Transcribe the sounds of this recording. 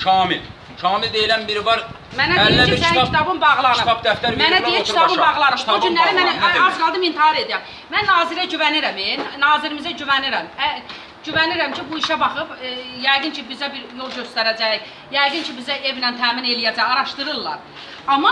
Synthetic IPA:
t͡ʃʰɑːmil | t͡ʃʰɑːmild̪ejilænbiɾivɑɾ | mænæiiæisæit̪ʰɑbɯnbɑɣlˠɑnɯpd̪æft̪æɾmænæd̪ijit͡ʃʰit̪ʰɑbɯnbɑʁlˠɑnɯmʰd͡ʒynlæɾæmænæɑzɡɑlˠd̪ɯmint̪ʰihɑɾe̞d̪iɾæm | mænːɑːziɾæɟyvæniɾæmennɑːziɾimizæɟyvæniɾæmæ | ɟyvæniɾæmcʰibuiʃæbɑχɯpjæjɡɯncʰibizæbiɾjo̞lˠɟø̞st̪æɾæd͡ʒæj | jæjɡɯncʰibizæʔe̞vnænt̪ʰæːmine̞lijæd͡ʒæjɑɾɑʃt̪ɯɾɯlːˠɑ̰ɾ | ɑmɑ

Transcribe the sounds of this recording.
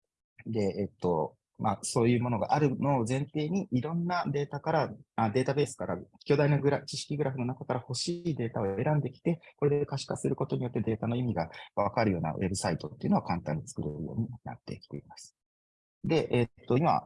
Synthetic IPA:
d̪e̞et̪ːo̞̰ | maso̞ːjɯ̟ːmo̞no̞ɡa̰ʔaɾɯ̟no̞ːzẽ̞nt̪e̞ːɲ̟iʔiɾõ̞nːad̪e̞ːt̪akaɾaad̪e̞ːt̪abe̞ːsɨ̥kaɾakʲo̞ːd̪ainoɡɯ̟ɾat͡ɕiɕi̥kʲiɡɯ̟ɾaɸɯno̞nakakaɾaho̞ɕiːd̪e̞ːt̪ao̞e̞ɾãnd̪e̞kʲi̥t̪e̞ko̞ɾe̞d̪ekaɕi̥kaseɾɯ̟ko̞t̪o̞ɲijo̞t̪ːe̞d̪e̞ːt̪ano̞imʲiɡaβakaɾɯ̟jo̞ːna̰we̞̰bɯ̟sait̪o̞t̪ːeiɯ̟no̞akãnt̪ã̰ɲ̟ːit͡sɨ̥kɯɾeɾɯ̟jo̞̰ːɲ̟ina̰t̪ːe̞̰kʲi̥t̪e̞̰imasɨ̥ | d̪e̞ʔet̪ːo̞ima̰

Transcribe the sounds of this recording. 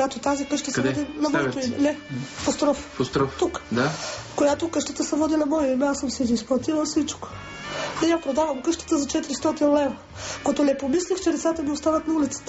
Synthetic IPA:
jat̪ot̪azikəʃt̪əsɐvɛd̪inɐvɔt̪oiɛnɛfost̪ɾɔffost̪ɾɔft̪ukd̪akojat̪okəʃt̪ə̥t̪əsɛvɔd̪inɐbɔjimɛasɤmsɛziːsplˠɐt̪ivəlˠfsit͡ʃko̥ | nɛjapɾod̪avɐmkəʃt̪ə̥t̪əzɐt͡ʃɛt̪iɾist̪ɔt̪inlɛvɾɐ | kot̪onɛpomislixt͡ʃɛlit̪sat̪ɐmiost̪avɐt̪nɐulit̪sə̥t̪ə

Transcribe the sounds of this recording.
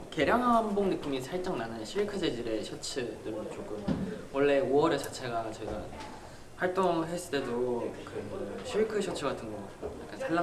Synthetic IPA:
ke̞ɾjaŋɦamboŋnɯk͈imisʰaɭt͡ɕ͈ʌŋnanɯnɕʰiɭkʰɯd͡ʑe̞d͡ʑiɾe̞ɕʰʌt͡ɕʰɯdɯɾɯt͡ɕokʰɯmwʌɭːe̞owʌɾet͡ɕat͡ɕʰe̞ɡat͡ɕʌiɡa | ɸwaɭt͈oŋɦe̞s͈ɯ̥t͈e̞dokɯɯɕʰiɭkʰɯɕʰʌt͡ɕʰɯɡatʰɯnɡʌ | ja̰k͈ansʰaɭːa

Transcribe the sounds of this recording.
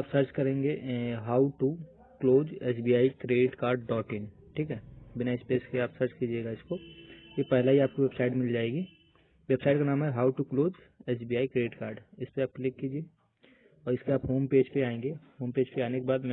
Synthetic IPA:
aːpsɐɾt͡ʃkɐɾẽːŋɡeɦaːʊʈu | kloːd͡ʒɛːsbiːjaːikɾeːɖɪʈkaːɾɖɖɔːʈɪn | ʈʰiːkɦɛːbɪnaɪspeːskeaːpsɐɾt͡ʃkid͡ʒieːɡaɪskojepɛɦlaɦiaːp̚koʋebsaːɪʈmɪld͡ʒaːeːɡi | ʋebsaːɪʈkanaːmɦɛɦaːʊʈukloːd͡ʒ | ɛːsbijaːikɾeːɖɪʈkaːɾɖɪspeaːp̚klɪkːiːd͡ʒie | ɔːɾɪskeaːpɦoːmpeːd͡ʒpeaːẽːŋɡehoːmpeːd͡ʒpeaːnekebaːd̪mɛ̃

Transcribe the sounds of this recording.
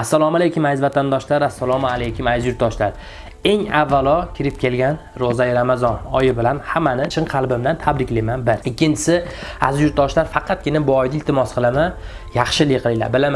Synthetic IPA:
asːalˠɒmalejkʲʊmajzvat̪ʰand̪ɒʃlaɾasːalˠɒmalejkʰʲʊmajzjʊɾt̪ːɒʃlaɾ | e̞ŋavːalˠɒkʲʰɪɾɪp̚kʲʰe̞lɡʲan | ɾozajɪɾamazɒnɒjɪbɪlanhamːanɪt͡ʃʰɪɴqʰɑlˠbɪmd̪ant̪ʰabɾɪkʲlajmanbɪɾɪkʲʰːɪnt͡ʃʰɪ̥sɪa̰zjʊɾt̪̚d̪ɒʃlaɾfɑqʰɑt̪̚kʲɪnabʊɒjd̪ɪlt̪ʰɪmɒsqʰɨlˠama | jɑχʃɪlɪjqʰɨlˠɪla̰ɾbɪlama

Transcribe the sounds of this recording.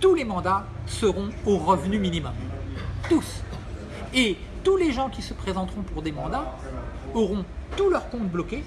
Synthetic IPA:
t̪ulemɑ̃d̪a | səʁɔ̃oʁəvnyminimɔmt̪us | e | t̪uleʒɑ̃kʲisəpχezɑ̃t̪χɔ̃puʁd̪emɑ̃d̪a | ɔʁɔ̃t̪ulœʁkɔ̃t̪̚blɔkʲe

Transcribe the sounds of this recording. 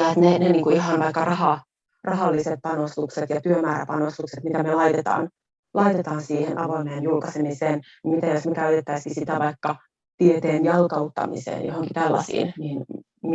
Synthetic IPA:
ɑet̪neneniːŋkuiɦɑnʋɑikːɑrɑhɑ | rʔɑɦɑlːiset̪̚pɑnost̪ukset̪jɑt̪yømæːɾæ̰pɑnost̪ukset̪mit̪æmelɑit̪et̪ɑ̰ːn | lʔɑit̪et̪ɑːnsiːhenʔɑʋoneːnjulkɑsemiseːn | nmit̪æjosmikæøt̪et̪ːæiskisit̪æʋɑikːɑ | t̪iet̪eːnjɑlkɑut̪ːɑ̰mḭsḛːnjo̰hoŋkit̪ælːɑ̰sḭːnniːn | m

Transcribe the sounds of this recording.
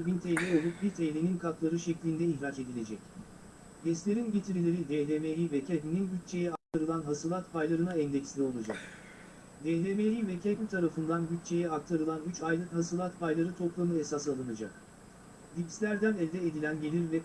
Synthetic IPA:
bint̪ʰɛjlʲɛo̞lˠup̚biɾt̪ʰɛɦlʲeninkʰak̪lˠaɾɯʃɛclʲind̪ɛiçɾat͡ʃe̞d̪ilʲe̞d͡ʒɛc | bɛslʲe̞ɾinɟet̪ʰiɾilʲeɾid̪ɛɦlʲemejivɛcʰɛbininɟyt̪̚t͡ʃʰe̞jɛak̚t̪ʰaɾɯlˠanɦasɯlˠat̪pʰajlˠaɾɯnaɛnd̪ɛcsilʲio̞lˠad͡ʒa̰k̚ | d̪ɛɦlʲemejivɛcʰɛbint̪ʰaɾafɯnd̪anɟyt̪̚t͡ʃʰe̞jɛak̚t̪ʰaɾɯlˠanyt͡ʃajlˠɯkhasɯlˠat̪pʰajlˠaɾɯt̪ʰo̞plˠamɯesasalˠɯnad͡ʒa̰k̚ | lʲipslʲæɾd̪ænɛlʲd̪ɛed̪ilʲænɟe̞lʲiɾvɛ

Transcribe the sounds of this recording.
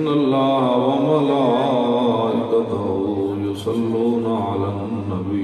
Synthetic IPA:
nɐlːaːɦʋɐmɐlaː | ʔɪkɐt̪ɐɦʊ | jʊsɐlːuːnɐʕalannːɐbiː

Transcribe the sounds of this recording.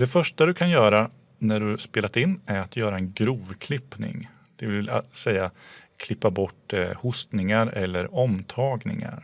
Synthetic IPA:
d̪̥ɛfœʂʈad̪ɵkʰanjœːɾa | næɖɵspeːlat̪ɪnːæɾat̪ʰjœːɾaɛnɡɾuːvkʰlɪpnɪ̰ŋ | d̪̥ɛvɪ̰sɛjːakʰlɪpːabɔʈːhʊst̪nɪŋaɾɛ̰lːəɾɔmt̪ʰɑːɡnɪ̰ŋa̰ɾ

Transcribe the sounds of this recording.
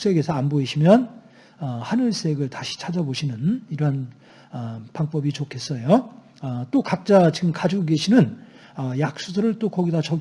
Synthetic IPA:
s͈e̞ɡe̞sʰʌanboiɕʰimjʌn | ʌhanɯɭs͈e̞ɡɯɭtaɕʰi̥t͡ɕʰad͡ʑaboɕʰinɯniɾʌɦan | ʌpaŋp͈ʌbit͡ɕokʰe̞s͈ʌjo | ʌt͈okak̚t͡ɕ͈at͡ɕiɡɯmkad͡ʑuɡoɡe̞ɕʰinɯn | ʌjak̚s͈usʰʌɾɯɭt͈okʌɡidat͡ɕʌ

